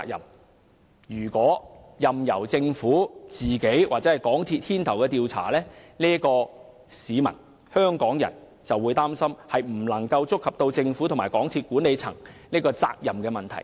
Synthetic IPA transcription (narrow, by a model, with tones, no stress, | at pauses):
k̚jɐ̰˨˩m | jyː˨˩kʷɔː˨˥ | jɐ˨mjɐ˨˩wt͡sɪ˧ŋfuː˨˥t͡siː˨ke˨˥jwa̰˨k̚t͡sɛː˨˥hɐ˨jkɔː˨˥ŋt̪ʰiː˧t̚hʰiː˥nt̪ʰɐ˨˩wkɛː˧t̪iː˧wt͡sʰa̰ː˨˩lɛː˥niː˥kɔː˧ | siː˨˧mɐ̰˨˩n | hœː˥ŋkɔː˨˥ŋjɐ̰˨˩n | t͡sɐ˨wu˨˧jt̪aː˥msɐ˥mhɐ˨jm̩˨˩lɐ˨˩ŋkɐ˧wt͡sʊ˥kʰːɐ˨p̚t̪o˧wt͡sɪ˧ŋfuː˨˥t̪ʰmaː˨˩jkɔː˨˥ŋt̪ʰiː˧t̚kuː˨˥nːe˨˧jt͡sʰɐ̰˨˩ŋniː˥kɔː˧t͡sa̰ː˧k̚jɐ˨mkɛː˧mɐ˨˩nt̪ʰɐ̰˨˩j